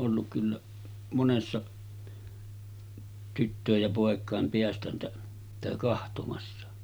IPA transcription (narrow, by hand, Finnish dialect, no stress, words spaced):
ʔolːuk kylːæ monesːɑ tytːøˑej jɑ poˑekˑɑˑem peæstæntæ sitæ kɑhtomɑsːɑ